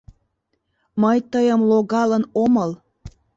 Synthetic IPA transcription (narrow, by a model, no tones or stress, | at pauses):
məjt̪əjəmloɣɑlənoməl